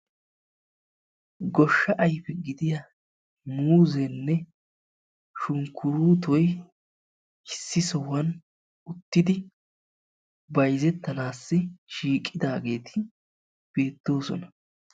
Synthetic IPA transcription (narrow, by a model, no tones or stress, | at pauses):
ɡɔʃːɐʔɐjfɛɡɪd̪ɪja | muːzɛnːɛ | ʃʊŋkʰːʊɾuːt̪ɔj | ɪsːɪsɔwɐn | ʊt̪ːɪd̪ɪ | bɐjzɛt̪ːɐnaːsːɪʃiːkʼːɪd̪aːɡe̞ːt̪ʰɪ | b̥e̞ːt̪ːo̞ːsɔ̰nɐ